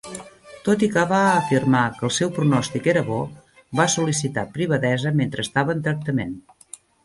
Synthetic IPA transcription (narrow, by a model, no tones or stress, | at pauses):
t̪ot̪ikaβaːfirmakəːlˠsɛwpɾunɔst̪ikeɾəβɔ | βasulisit̪apɾiβəðɛzəment̪ɾəːst̪aβəːnt̪ɾək̚t̪əmen